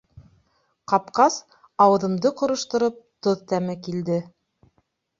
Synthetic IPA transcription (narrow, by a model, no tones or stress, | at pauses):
qɑpqɑs | ɑwɤ̆ðɤ̆md̪ɤqŏɾɤ̆ʃt̪ɤ̆ɾɤp̚t̪oðt̪æmɘkild̪ɘ